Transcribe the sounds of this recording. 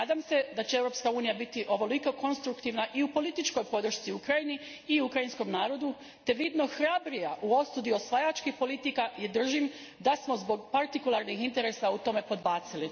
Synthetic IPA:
aːd̪amse̞d̪at͡ɕeeʋɾo̞pskauːnijabit̪iʔo̞ʋo̞liko̞ko̞nst̪ɾukt̪iʋnaʔiupo̞lit̪it͡ʃko̞jpo̞d̪r̩ʃt̪siukɾajiniː | ukɾajinsko̞mnaːɾo̞d̪u | t̪e̞ʋid̪no̞xɾabɾijaʔuo̞st̪ud̪io̞sʋajat͡ʃkixpo̞lit̪ikaje̞d̪r̩ʒim | d̪asmo̞zbo̞ɡpaɾt̪ikulˠaɾnixint̪e̞ɾe̞saut̪o̞me̞po̞d̪baːt̪sili

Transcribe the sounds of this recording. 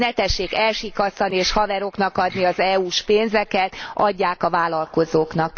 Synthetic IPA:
nɛt̪ɛʃːeːkɛlʃikɒsɒnieːʃhɒvɛɾo̞knɒkɒd̪niɒzɛuːʃpeːnzɛkɛt̪ʔɒɟːaːkɒvaːlɒlko̞zoːknɒk

